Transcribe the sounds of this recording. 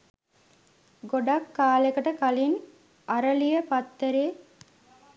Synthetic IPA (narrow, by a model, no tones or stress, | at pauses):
ɡoɖakːaːlekəʈəkalin | ɐɾəlijəpat̪ːeɾeː